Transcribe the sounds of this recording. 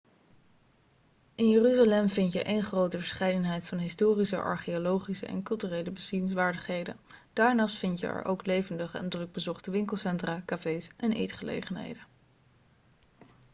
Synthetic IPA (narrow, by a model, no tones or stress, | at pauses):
ʔɪnjəryzalɛmvɪntjə̰ʔejnχrowtəvəɹsχɛjdənɦɛjtfɑnɦɪstoːrisə̰ʔɑ̰ɹχiolowχisə̰ʔɛ̰nkɵlˠtyrejləbəsiɪnsʋaːɹdəχɦejdə̰n | d̥aːɹnɑːstfɪntjə̰ɛ̰ɹʔowklejvəndəχəɛ̰ndrɵɡ̚bəzɔχtəʋɪŋkəl̩ˠsɛntraːkafejsʔɛnʔejtχəlḛjχənɦḛjdən